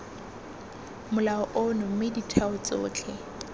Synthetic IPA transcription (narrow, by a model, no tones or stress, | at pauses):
mʊlaɔʔʊnʊmeditʰaʊt͡sʼʊ̰ːt͡ɬʰɛ